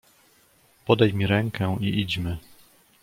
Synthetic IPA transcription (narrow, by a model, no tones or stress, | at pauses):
pɔd̪ajmʲiɾɛŋkɛiʔid͡ʑmɘ